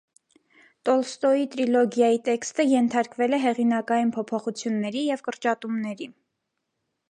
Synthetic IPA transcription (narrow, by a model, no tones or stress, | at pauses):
t̪ɔlst̪ɔit̪ɾilɔɡjɑjit̪ɛkst̪əjɛnt̪ʰɑɾkvɛlɛɦɛʁinɑkɑjinpʰɔpʰɔχut͡sʰjunːɛɾijɛvkəɾt͡ʃɑt̪umnɛɾi